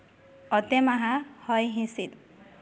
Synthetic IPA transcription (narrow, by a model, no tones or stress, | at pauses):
ɔt̪emaɦãhɔjɦĩsit̪̚